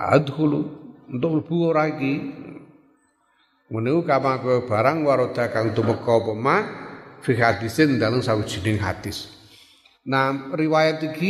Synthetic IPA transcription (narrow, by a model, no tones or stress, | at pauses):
a̰d̪hulunt̪oʔb̥uoɾaiki | ŋəneukamakɛb̥aɾaŋwaɾod̪akaŋt̪uməkɔpəmafiɦad̪isɪnd̪aləmsawid͡ʒinɪŋɦa̰t̪ɪs | naɾiwajat̪iki